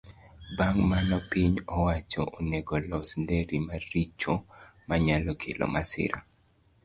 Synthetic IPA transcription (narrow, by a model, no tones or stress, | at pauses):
baŋmanɔpiɲɔwat͡ʃoʔoneɡolɔsndeɾimaɾit͡ʃomaɲalokʰelo̰masɪ̰ɾa̰